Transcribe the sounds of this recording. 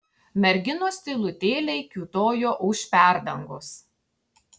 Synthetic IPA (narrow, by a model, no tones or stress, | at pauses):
mʲɛɾʲɡʲɪnoːsʲt̪ʲɪlˠʊt̪ʲeːlʲɛɪkʲuːt̪oːjoːʔʊʃpʲæˑɾd̪ɐŋɡoːs